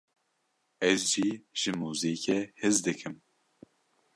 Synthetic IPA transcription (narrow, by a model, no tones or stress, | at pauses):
ɛzʒiːʒ̥ɨmuːziːkɛhɨzd̪ɨkʰɨm